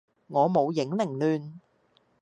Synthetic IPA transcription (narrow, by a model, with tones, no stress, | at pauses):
ŋɔː˨˧mo˨˧wjɪ˨˥ŋlɪ˨˩ŋlyː˨˧n